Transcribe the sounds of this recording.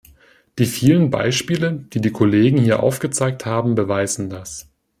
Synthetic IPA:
d̥iːfiːlənba̰ɪʃpiːləd̥iːdiːkʰoleːɡŋ̩hiːɐʔa̰ʊfɡ̥ət͡saɪk̚thaːbm̩bəvaɪzn̩das

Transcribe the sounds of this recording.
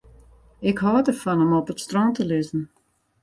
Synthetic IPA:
ɪkhɔːdəfɔnəmɔpətstrɔntəlʏzn̩

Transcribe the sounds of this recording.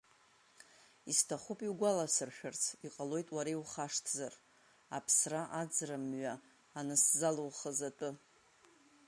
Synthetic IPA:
istʰaχupʼiwɡʷalasɨrʃᶣart͡sʰiqʼalo̞jtʼwaɾejwχaʂtʰzar | apʰsraʔad͡zramɥaː | nɨszalowχəzatʼɨ

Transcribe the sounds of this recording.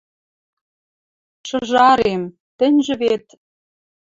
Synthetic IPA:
ʃɤ̆ʒɑɾem | t̪ɘ̆nʲʒɘ̆βet̪

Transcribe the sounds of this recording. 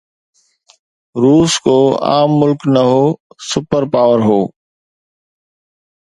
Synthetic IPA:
ɾuːskoːa̰ːmːʊlknɐɦoːsʊpəɾpaːʋəɾɦoː

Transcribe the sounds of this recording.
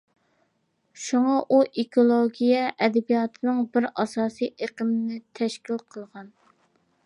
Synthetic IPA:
ʃuŋɑʔuʔekʰolˠoɡʲijɛʔɛd̪ɛbijɑt̪ʰɨnɨŋbɪɾɑsɑːsijʔeqəmɪnɪt̪ʰɛʃkʲilqʰəlˠʁɑn

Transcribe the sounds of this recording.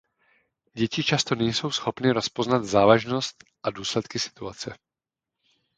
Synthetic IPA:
ɟɛcɪt͡ʃast̪o̞nɛjso̞wsxo̞pnɪɾo̞spo̞znad̪zaːvaʒno̞st̪ʔaduːslɛt̪kɪsɪ̥t̪uat͡sɛ

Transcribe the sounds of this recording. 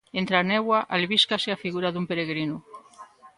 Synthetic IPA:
ent̪ɾanewaʔalβiskaseafiɣuɾaðumpeɾeɣɾinu

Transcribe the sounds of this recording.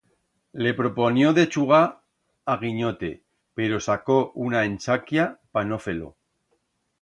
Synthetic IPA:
le̞pɾo̞ponjo̞ðe̞t͡ʃuɣ̞a | aɣ̞iɲo̞t̪e̞̰ | pe̞ɾo̞sako̞unaẽnt͡ʃakjapano̞fe̞lo̞̰

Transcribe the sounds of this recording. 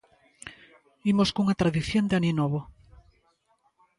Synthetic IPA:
imoskuŋat̪ɾaðiθjond̪eaninoβo

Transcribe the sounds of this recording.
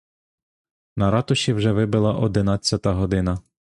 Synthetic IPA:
nɐɾɑt̪ʊʃʲiwʒɛʋɪbɪlˠɐʔɔd̪ɪnɑt͡sʲjɐt̪ɐɦɔd̪ɪnɐ

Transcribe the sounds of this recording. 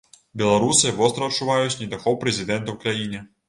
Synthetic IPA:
bʲɛlˠaɾusɨvɔst̪ɾɐɐtt͡ʂːuvajut͡sʲnʲid̪ɐxɔwpɾɛzʲɪd̪ɛnt̪ɐwkɾajinʲɨ

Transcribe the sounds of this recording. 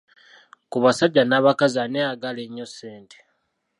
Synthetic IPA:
kuβasaɟːanaːβakazaneaɡaleɲːo̞seːnte̥

